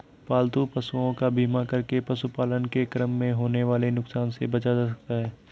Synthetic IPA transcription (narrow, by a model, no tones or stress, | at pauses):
paːlt̪upɐsuõkabʱiːmakɐɾkepɐsupaːlənkekɾəmːẽɦoːneʋaːlenʊksaːnsebɐt͡ʃad͡ʒaːsɐk̚t̪aɦɛː